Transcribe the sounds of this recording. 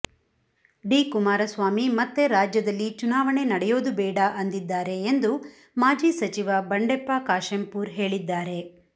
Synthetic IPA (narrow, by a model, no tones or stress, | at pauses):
ɖiːkumaːɾɐsʋaːmimɐt̪ːe̞ɾaːd͡ʒjɐd̪ɐlːit͡ʃunaːʋɐɳe̞nɐɽɛjoːd̪ubɛːɽɐʔɐnd̪id̪ːaːɾe̞ːnd̪u | maːd͡ʒiːsɐt͡ʃiʋɐbɐɳɖepːakaːʂempuːɾɦe̞ːɭid̪ːaːɾe̞